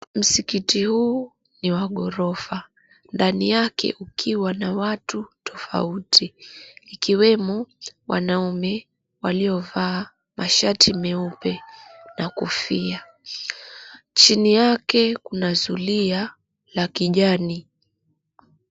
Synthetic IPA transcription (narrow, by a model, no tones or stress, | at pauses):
m̩sikitihuː | niwaɠɔɾɔfa | ndanijakʰɛ̰ʔukʰiwanawatutʰɔfa̰utʰiː | kiwɛmɔwʔa̰naumɛ | waliɔvaː | mʔaʃatimɛupɛnakufia | t͡ʃinijakɛkunazulia | lakiʄani